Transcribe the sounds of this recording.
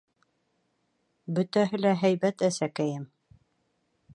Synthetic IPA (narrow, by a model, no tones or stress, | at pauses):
bɵt̪æɦɘ̆læɦæjbæt̪æsækæjɘm